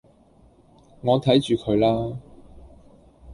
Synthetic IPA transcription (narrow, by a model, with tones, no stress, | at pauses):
ŋɔː˨˧t̪ʰɐ˨˥jt͡ʃyː˨kʰɵ˨˧ɥlaː˥